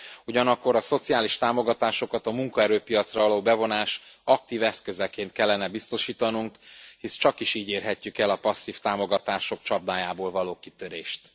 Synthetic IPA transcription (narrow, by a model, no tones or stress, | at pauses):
uɟɒnɒkːo̞ɾɒso̞t̪sijaːliʃt̪aːmo̞ɡɒt̪aːʃo̞kɒt̪ɒmuŋkɒɛɾøːpijɒt̪srɒɒloːbɛvo̞naːʃɒk̚t̪iːvɛskø̞zɛkeːnt̪̚kɛlːɛnɛbist̪o̞ʃiːt̪ɒnuŋkhist͡ʃɒkiʃiːɟeːrɦɛcːykɛlɒpɒsːiːft̪aːmo̞ɡɒt̪aːʃo̞k̚t͡ʃɒb̚d̪aːjaːboːlvɒloːki̥t̪ø̞ɾeːʃt̪